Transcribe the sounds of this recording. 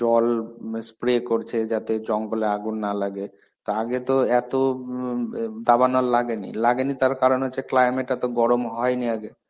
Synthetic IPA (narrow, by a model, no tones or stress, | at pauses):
d͡ʑɔlspɾekoɾt͡ɕʰed͡ʑat̪ed͡ʑɔŋboleaɡunːalaɡe | t̪oaɡet̪oɛt̪o | d̪abanolːaɡenḭlaɡenit̪aɾkaɾonɦoːeklajmeʈɛt̪oɡɔɾomɦɔeniaɡe